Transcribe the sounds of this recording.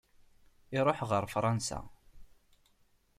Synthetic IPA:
ɪɾˤoħʁəɾˤfɾˤɑnsa̰

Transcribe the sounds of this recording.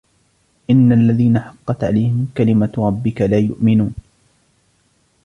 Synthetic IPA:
ʔɪnːalːaðiːnaħɑqːɑt̪ʕa̰lajhɪmkalɪmaɾˤɑbːɪkalaːjʊ̰ʔmɪnuːn

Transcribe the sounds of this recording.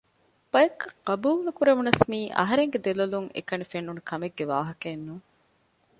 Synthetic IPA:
b̥ɐjekːqɐbuːlnukuɾemunɐsmiːʔɐ̰ɦɐɾeŋɡed̪elɐluŋḛkɐnifenːunukʰɐmeɡːeʋa̰ːɦɐkeːnːuː

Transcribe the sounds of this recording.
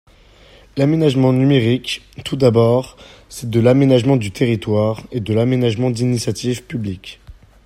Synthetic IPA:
lamenaʒmɑ̃nymeʁik | t̪ud̪abɔʁsɛd̪əlamenaʒmɑ̃d̪yt̪ʰeʁit̪waʁed̪əlamenaʒmɑ̃d̪inisjat̪ivpyblikʲ

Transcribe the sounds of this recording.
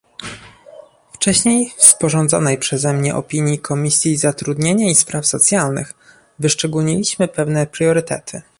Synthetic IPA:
ft͡ʂɛɕɲejfspɔʐɔnd̪zɔ̰nɛjpʂɛzɛmɲɛʔɔ̰pʲiɲjikʰɔmʲisʲjizat̪ɾud̪ɲeɲaispɾʔafsɔt̪sʲjalnɘ̰x | vɘʂt͡ʂɛɡulɲilʲiɕmɘpɛvnɛpɾjɔɾɘt̪ɛ̰t̪ʰɘ

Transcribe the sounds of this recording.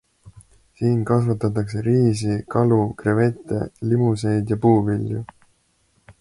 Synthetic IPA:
siːnkɑsvɑt̪ːˑɑt̪ːˑɑkse̞ɾiːs̬ikɑlukreve̞t̪ːˑe̞̰limuse̞jd̪jɑpuːviljṵ

